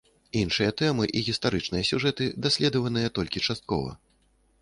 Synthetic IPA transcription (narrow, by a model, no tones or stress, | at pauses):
inʂɨjɐt̪ɛmɨʔiɣʲist̪aɾɨt͡ʂnɨjɐsʲuʐɛt̪ɨd̪asʲlʲɛd̪ɐvɐnɨjɐt̪ɔlʲkʲit͡ʂast̪̚kɔ̰vɐ̰